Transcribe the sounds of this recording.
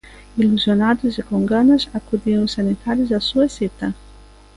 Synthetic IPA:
iluzjonad̪uzekoŋɡanazakud̪iuŋsanit̪aɾizasuesit̪a

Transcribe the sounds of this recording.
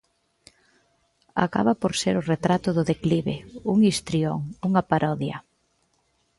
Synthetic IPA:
a̰ka̰βapoɾseɾʊret̪ɾat̪ʊðʊðekliβḛuŋist̪ɾioŋuŋapaɾɔðjɐ̰

